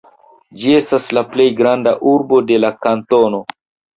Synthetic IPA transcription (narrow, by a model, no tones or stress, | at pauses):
d͡ʒie̞staslaple̞jɡɾandaʔuɾbo̞de̞lakanto̞no̞